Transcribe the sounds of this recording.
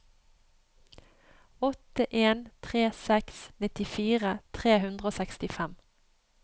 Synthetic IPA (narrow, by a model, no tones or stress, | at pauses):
ɔt̪əʔeːnt̪ʰʁeːsɛksnɪt̪ɪfiːʁət̪ʰʁeːhʉnd̪ʁəoːsɛkst̪ɪfɛm